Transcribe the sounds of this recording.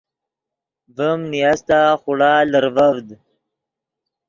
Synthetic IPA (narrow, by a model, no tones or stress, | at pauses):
vəmnijast̪aχʊɽaːləɾvavd̪